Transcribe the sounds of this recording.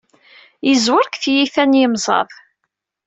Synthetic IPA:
jizwəɾkθjiθænjimzˤɑ̰ðˤ

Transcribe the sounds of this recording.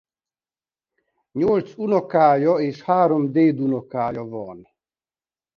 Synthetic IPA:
ɲolt͡sunɔkaːjɔeːʃhaːɾɔmd̪eːd̪unɔkaːjɔvɔːn

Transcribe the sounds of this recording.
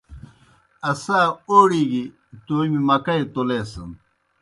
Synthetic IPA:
ɐsaːoːɽiːɡi | t̪oːimimɐkɐjt̪oleːsɐn

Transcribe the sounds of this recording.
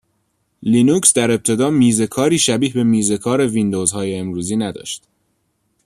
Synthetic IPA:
linuksd̪æɾe̞p̚t̪ʰe̞d̪ɒːmiːze̞kʰɒːɾiːʃæbiːhbe̞miːze̞kʰɒːɾe̞vind̪oːzhɒːjeːmɾuːziːnæd̪ɒ̰ːʃt̪

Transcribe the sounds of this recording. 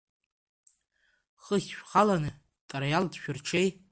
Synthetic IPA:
χəχʲʃᶣχalanɨ | tʼaɾajaldʃᶣʊrʈ͡ʂʰej

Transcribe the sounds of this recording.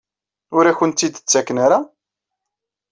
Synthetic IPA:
ʊɾæçənt̪ːid̪ət͡sːækːnaɾa

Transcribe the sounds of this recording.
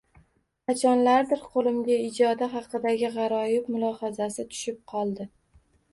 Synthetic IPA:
qʰɑt͡ʃʰɒnlaɾd̪ɪɾqʰolˠɪmɡʲaɪd͡ʒɒd̪aɦɑqɨd̪aɡʲɪʁɑɾɒjɪbmʊlˠɒhazasɪt̪ʰʊ̥ʃɪp̚qʰɒlˠd̪ɪ

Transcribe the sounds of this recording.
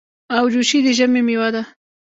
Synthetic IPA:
awd͡ʒuʃid̪ɪʒəmemɪwad̪a

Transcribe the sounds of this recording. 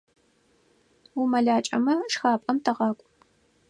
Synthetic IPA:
wumɐɮaːt͡ʃʼɐmɐʂxaːpʼɐmtʰɐʁɑːkʷʼ

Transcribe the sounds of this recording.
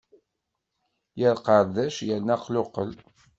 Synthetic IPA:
jæɾqɑɾd̪æʃjælnæqlʊqə̰l

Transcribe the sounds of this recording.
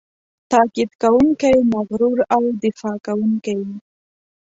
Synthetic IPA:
t̪ɑkid̪kawuŋkajmaɣɾuɾawd̪ɪfɑkawuŋkaj

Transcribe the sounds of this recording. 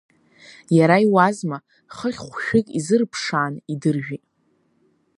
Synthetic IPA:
jaɾaiwazma | χəχʲχʷʃᶣɪkʲʼizɨrpʰʂaːnidɨrʒᶣitʼ

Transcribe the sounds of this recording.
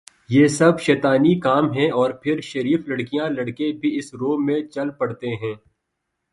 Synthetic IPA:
jeːsɐbʃɛːt̪aːnikaːmɦɛ̃ɔːɾpʰɪɾʃɐɾiːflɐɽkijãlɐɽkebʱiɪsɾoːmẽt͡ʃɐlpɐɽt̪eɦɛ̃ː

